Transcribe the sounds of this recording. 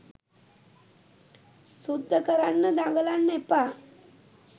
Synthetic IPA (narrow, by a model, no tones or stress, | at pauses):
sud̪ʱːəkəɾanːəd̪aɡəlanːepa